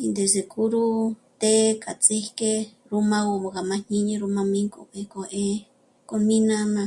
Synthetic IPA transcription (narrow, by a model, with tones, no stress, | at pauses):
i˧nd̪e˨se˨kʼu˦ɾu˦t̪e˦ka˨t͡sʼe˦hke˦ | ɾu˦mã˧wo˧mo˨ka˨mã˧ɲi˦ɲẽ˧ɾu˧mã˧mĩ˦ŋkʼo˧pe˧ko˨ʔe˦ | ko˧mĩ˦nã˦nã˧